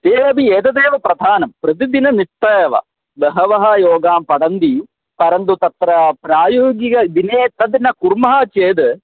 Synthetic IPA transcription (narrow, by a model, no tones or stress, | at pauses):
t̪eːɐbieːd̪ɐd̪eːʋɐpɾɐd̪ʱaːnɐmpɾɐt̪̬id̪inɐniʂt̪ːɐeʋɐ̰ | ʋɐɦɐʋɐɦɐjoːɡaːmpɐɽɐnd̪i | pɐɾɐnd̪ut̪ɐt̪ɾɐpɾaːjoːɡiɡɐd̪ineːt̪ːɐd̪nɐkuɾmɐɦɐt͡ʃeːd̪ɨ